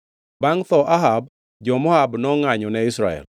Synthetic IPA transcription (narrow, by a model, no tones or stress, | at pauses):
baŋt̪ɔʔaɦab | d͡ʒɔmɔhabnɔŋaɲɔnɛɪsɾaɛ̰l